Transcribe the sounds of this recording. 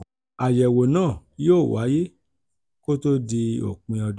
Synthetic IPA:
a˨jɛ˨wo˨nãː˦˨joː˦˨wa˨˦je˦ | ko˦to˦di˧o̰˨k͡pĩ˧ɔ˧

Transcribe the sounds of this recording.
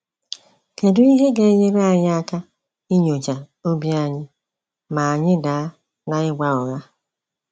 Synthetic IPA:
ke˨dʊ˦i˦ɦe˦ɡe˨˦ɲe˦ɾa˦a˨ɲɪ˦a˦ka˦ | i˦ɲo˨t͡ʃa˨ | o˦bi˦a˨ɲɪ˦ | ma˨a˨ɲɪ˦daː˨a˦ | na˨ɪ˦ɡʷa˦ɔ˨ɣa˦

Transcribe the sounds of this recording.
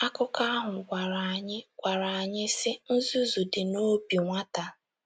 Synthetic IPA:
a˦kʊ˦ka˦a˦ɦʊ˨ɡʷa˨ɾa˨a˨ɲɪ˦ɡʷa˨ɾa˨a˨ɲɪ˦sɪ˦n̩˦zu˦zu˨dɪ˨no˦bi˨ŋʷa˦ta˨

